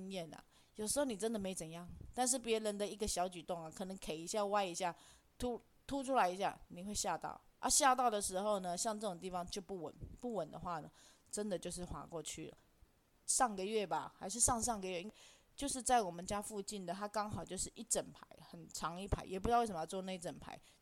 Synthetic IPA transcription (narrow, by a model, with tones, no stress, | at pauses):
ŋjɛ˥˩nɐ̰˩ | jo˨˩ʂ̩˧˥xo˥˧˩ni˨˩ə˦˥nd̪ə˨me˧˥ɪt͡sə˨˩njɑ˥˩ŋt̪a˥˧nʂ̬ɻ̩˥˩pjɛ˧˥ɻə˧˥nd̪ə˨i˧˥ɡə˨˧ɕjɑ˧˥ʊt͡ɕy˨˩t̪o˥˩ŋa˨˩kʰɤ˨˩nɤ˧˦ŋkʰe˨ɪi˧˥ɕja˥˧wa˥ɪi˧˥ɕja˥˩ | t̪ʰu˥ | t̪ʰu˥ʈ͡ʂʰu˥la˧ɪi˧˥ɕ̬ja̰˥˩ni˨˩xwe˥˧ɪɕja˥˧t̪ɑ̰˥˩ʊ | ʔə̰˥˧ɕja˥˧t̪ɑ˥˩ʊd̪ə˩ʂɻ̩˧˥xo˥˩ʊnə˩ɕjɑ˥˧ŋʈ͡ʂɤ˥˩ʈ͡ʂo˨˩ŋt̪̬i˥˩fɑ˨˦ŋt͡ɕjo˥˧ʊpu˥˩wə̰˨˩˦npu˥˩wə˨˩nd̪ə̰˦xwa˥˩nə˩ | ʈ͡ʂə˦nd̪ə˨t͡ɕjo˥˧ʊʂ̬ɻ̩˥˩xwa̰˨˩kwɔ˥˧t͡ɕʰy̰˥˩lə̰˩ | ʂɑ˥˩ŋɡə˨ɥɛ˥˩ba˨˩xa˧˥ɪʂ̬ɻ̩˥˧ʂɑ˥˧ŋʂ̬ɑ˥˩ŋɡə˨ɥɛ˥˧i˥t͡ɕjo˥˧ʊʂ̬ɻ̩˥˧t͡sa˥˩ɪwɔ˨˩mə˨˦nt͡ɕja˥fu˥˧t͡ɕi˥˩nd̪ə˩t̪ʰa˥kɑ˥ŋxɑ˨ʊt͡ɕjo˥˧ʊʂɻ̩˥˧˩ʔi˥ʈ͡ʂə˨˩npʰa˧˦ɪxə˨˩nʈ͡ʂʰɑ˧˥ŋi˥˩pʰa˧˥ɪjɛ˨˩p̬u˥t͡ɕjwe˥˩ʂm˧ʊt͡swɔ˥˧na˥˧i˥ʈ͡ʂə˨˩npʰa̰˧˥˦ɪ